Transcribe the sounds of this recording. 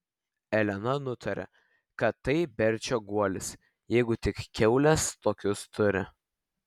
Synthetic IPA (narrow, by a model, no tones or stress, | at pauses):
ɛlʲɛnɐnʊt̪ʰɐɾʲɛ̰ | kɐt̪ːɐɪbʲɛɾʲt͡ʃʲoːɡuɔlʲɪs | jɛɪɡʊt̪ʲɪkkʲɛʊlʲɛst̪oːkʲʊst̪ʰʊɾʲɪ̰